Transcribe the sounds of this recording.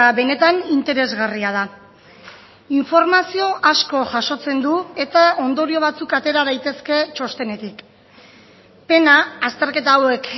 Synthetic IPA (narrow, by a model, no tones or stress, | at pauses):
aβe̞ne̞t̪anint̪e̞ɾe̞zɣariað̞a | iɱfo̞ɾmasio̞ʔasko̞ʝaʃo̞t͡se̞nd̪ue̞t̪ao̞nd̪o̞ɾio̞β̞at͡sukat̪e̞ɾaðajt̪e̞ske̞t͡ʃo̞st̪e̞ne̞t̪ik | pe̞naːst̪e̞ɾke̞t̪awe̞k